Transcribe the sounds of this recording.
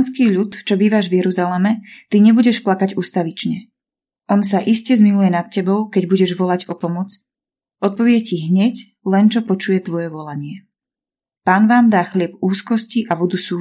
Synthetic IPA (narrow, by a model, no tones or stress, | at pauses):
nskiːʎut̪t͡ʃɔbiːʋaʒʋjɛɾuzalɛmɛt̪iɲɛbuɟɛʃplakaɟuːst̪aʋit͡ʃɲɛ | ʔɔnsaʔiscɛzmilujɛnat̪̚cɛbɔʊkɛɟbuɟɛʒʋɔlaɟɔpɔmɔt͡s | ʔɔt̪̚pɔʋɪɛciɦɲɛc | lɛnt͡ʃɔpɔt͡ʃujɛt̪ʋɔjɛʋɔlaɲɪɛ | paːnʋaːmd̪aːxlɪɛbuːskɔsciʔaʋud̪usuː